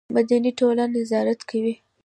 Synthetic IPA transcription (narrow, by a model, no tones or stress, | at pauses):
mad̪aniʈolanɪzɑɾat̪kʰawi